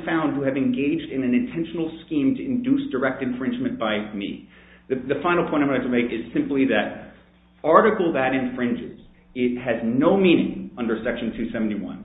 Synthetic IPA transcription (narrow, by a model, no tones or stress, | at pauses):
fãʊ̃nd̚uɨvɨ̃nɡeɪd͡ʒdɨ̃nɨ̃nɨ̃ntʰɛ̃nʃn̩l̩ˠskĩmtʰɨɨ̃ndʉsd̥ə˞ɛk̚tɨ̃ɱfɹɪ̃nd͡ʒmɨ̃nb̥aɪmḭ | ðɨðɨfãɪ̃nl̩ˠpʰɔ̃ɪ̃aɪʌtʰəmeɪkɨz̥sɪ̃mpliðɨɾ | ɑɹɾɨkl̩ˠðɨɾɨ̃ɱfɹɪ̃nd͡ʒɪ̰z̥ | ɪt̚hɨznoʊmĩnɪ̰̃ŋʌ̃ndə˞sɛkʃn̩tʰʉsɛvn̩tiwʌ̰̃n